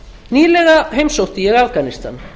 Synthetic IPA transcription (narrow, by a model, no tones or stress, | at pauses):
niːlɛɣaɦejmsowht̪ɪjɛɣafkanist̪a̰n